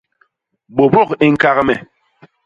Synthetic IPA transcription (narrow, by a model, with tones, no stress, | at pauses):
bo˨bɔ˦˨ke˦ŋ̩˦ka˦ɣmɛ˨